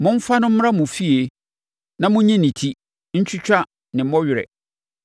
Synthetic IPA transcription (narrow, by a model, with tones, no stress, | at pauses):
mʊ̃˦m̩˦fa˦nʊ̃˦m̩˦m˦ã˦mʊ̃˨fi˦e˨ | nã˦mʊ̃˦ɲĩ˦nĩ˨tʰi˦ | ɲ̩˦t͡ɕʰᶣʊ˦t͡ɕᶣa˦ | nɪ̃˨mɔ˦ɥɪ˨ɾɛ̰˨